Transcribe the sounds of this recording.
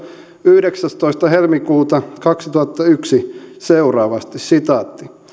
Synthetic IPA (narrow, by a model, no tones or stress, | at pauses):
yhɾeksæst̪oist̪ɑhelmikuːt̪ɑkɑksit̪uhɑt̪ːɑyksiseurɑːʋɑst̪issit̪ɑt̪ːi